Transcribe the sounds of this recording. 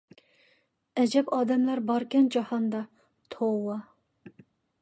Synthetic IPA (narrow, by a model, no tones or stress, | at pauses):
ɛd͡ʒɛpɑːd̪ɛmlæɾbɑɾkʲɛnd͡ʒɑhɑnd̪ɑ | t̪ʰowɑ